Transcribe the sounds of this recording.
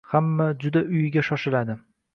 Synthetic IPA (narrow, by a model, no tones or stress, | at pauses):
hamːad͡ʒʊd̪aʔʊjɡʲaʃɒʃɪlad̪ɪ